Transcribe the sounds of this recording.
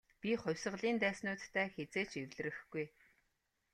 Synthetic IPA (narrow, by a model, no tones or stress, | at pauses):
pʲiχʊwʲsə̆ʁɮiːnt̪æːsnʊːt̪ʰːæːxet͡seːt͡ɕewɮ̆rɘ̆xɡuj